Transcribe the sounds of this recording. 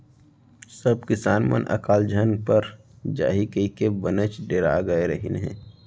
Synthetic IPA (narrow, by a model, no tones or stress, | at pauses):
səb̚kɪsaːnmə̰nʔə̰kaːld͡ʒʱənpəɾ | d͡ʒa̰ːɦikəikebənət͡ʃɖeːɾa̰ːɡəeɾəɦinɦɛ̰̃ː